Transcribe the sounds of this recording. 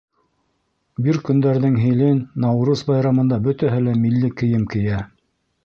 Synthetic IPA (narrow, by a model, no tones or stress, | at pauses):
biɾkɵ̆nd̪æɾðɘŋɦɘ̆lɘnːɑwɾusbɑjɾɑmɤ̆nd̪ɑbɵ̆t̪æɦɘlæmilːɘkɘ̆jɘmkɘ̆jæ